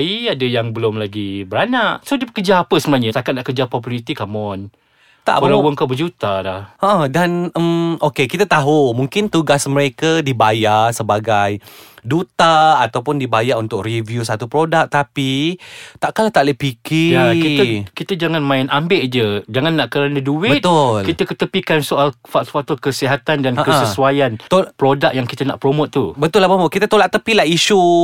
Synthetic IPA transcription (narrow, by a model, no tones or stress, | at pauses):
iadəjaŋbəlʊmlaɡibəɾanaʔsodəbəkəd͡ʒaːpəsəmənaɲəsakat̪̚naʔkəd͡ʒapɔpulit̪ikamɔn | t̪a̰ʔbəlawəŋkabəd͡ʒut̪alahəʔə̃danəmokekit̪at̪aɦumuŋkɪnt̪uɡasməɾekadibajasəbaɡajdut̪aːt̪awpʊndibajaʔunt̪ʊk̚rivjusat̪upɾodak̚t̪apit̪aʔkalat̪aʔləpikɪakit̪əkit̪əd͡ʒaŋanmãɪnʔambɪʔd͡ʒəd͡ʒaŋanːaʔkəɾanəduɪbət̪ʊlkit̪əkət̪əpikansoʔalfafat̪ɔkəsiɦat̪andanəkəasəsuajant̪opɾodak̚jaŋkit̪əna̰ʔpɾomot̪̚ːubət̪ʊlːahpɾomoʔkit̪at̪olaʔt̪əpilaiʃu